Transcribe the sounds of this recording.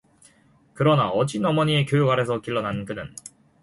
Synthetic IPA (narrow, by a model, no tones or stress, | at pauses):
kɯɾʌnaʌd͡ʑinʌmʌɲie̞kjojuɡaɾe̞sʰʌkiɭːʌnankɯnɯ̰n